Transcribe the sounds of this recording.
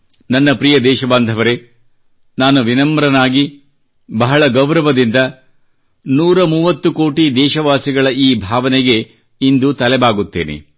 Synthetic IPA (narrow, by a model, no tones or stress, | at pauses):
nɐnːɐpɾijɐd̪ɛːʃɐband̪ʱɐʋɐɾe̞ | naːnuʋinɐmɾɐnaːɡi | bɐɦɐɭɐɡɐwɾɐʋɐd̪ind̪ɐ | nuːɾɐmuːʋɐt̪ːuko̞ːʈid̪ɛːʃɐʋaːsiɡɐɭɐiːbʱaːʋɐnɛɡe̞ | ind̪ut̪ɐlɛbaːɡut̪ːeːnḛ